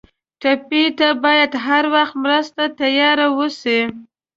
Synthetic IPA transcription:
ʈapit̪abɑjad̪ɦaɾwaxt̪mɾəst̪at̪ajɑɾawəsi

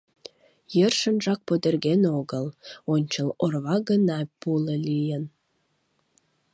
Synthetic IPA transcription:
jərʃənʒɑk̚pod̪erɣenoɣəlonʲt͡ɕəlorβɑɡənɑpuləlijən

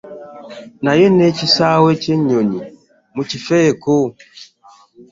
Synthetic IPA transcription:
najɛnɛt͡ʃisawɛt͡ʃeɲoɲi | mut͡ʃifɛko

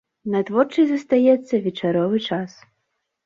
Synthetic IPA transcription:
nɐt̪vɔrt͡ʂɨjzɐst̪ajɛt̪sʲːɐvʲɛt͡ʂaɾɔvɨt͡ʂas

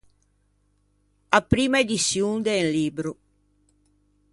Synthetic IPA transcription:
apːɾiːmaed̪isːjund̪eːnliːbɾo

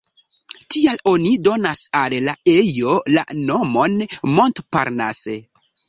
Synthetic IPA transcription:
tialo̞nido̞nasalːaejo̞la̰no̞mo̞nmo̞ntpa̰ɾna̰se

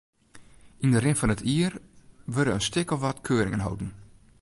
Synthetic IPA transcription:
indərɪnfɔnətʰiərʋøɾəənstɪkɔfʋatkʰøːɾɪŋənɦo̰wdn̩

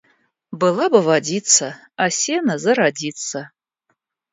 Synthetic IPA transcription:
bɨlabɐvadʲit͡sʰa | asʲenazɨɾadit͡sʰa

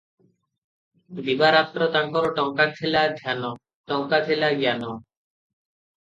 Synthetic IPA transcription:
d̪ibaɾat̪ːɾɔt̪aŋkɔɾoʈɔŋkat̪ʰelad̪ʱjano | ʈɔŋkat̪ʰelaɡjano

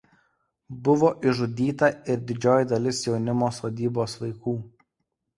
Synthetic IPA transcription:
bʊʋoːʔɪʒʊd̪ʲiːt̪ɐɪɾd̪ʲɪd͡ʒʲoːjd̪ɐlʲɪsjɛʊnʲɪmoːsoːd̪ʲiːboːsʋɐɪkuː

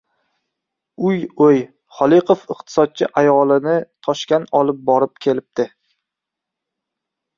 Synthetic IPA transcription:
ʊjoj | χɒlˠɪqʰofɨqt̪ʰɪ̥sɒd̪̚t͡ʃʰɪʔajɒlˠɪnɪt̪ʰɒʃkʲanɒlˠɪp̚bɒɾɪp̚kʲʰe̞lɪp̚t̪ɪ

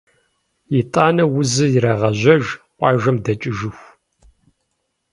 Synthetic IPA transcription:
jitʼaːnɐwʊzɨjɪɾɐʁɐʑʷɐʒqʷʼɑːʒɐmdɐt͡ʃʼɪʒɨxʷ

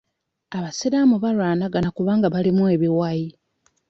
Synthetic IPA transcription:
aβaseɾamuβalwaːnaɡanakuβaːŋɡaβalimue̞βiwaji

